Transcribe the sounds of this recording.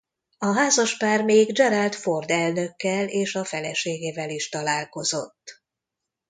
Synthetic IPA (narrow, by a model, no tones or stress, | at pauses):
ɒɦaːzɒʃpaːrmeːɡd͡ʒɛɾalt̪fo̞rd̪ɛlnø̞kːɛleːʃɒfɛlɛʃeːɡeːvɛliʃt̪ɒlaːlko̞zo̞t̪ː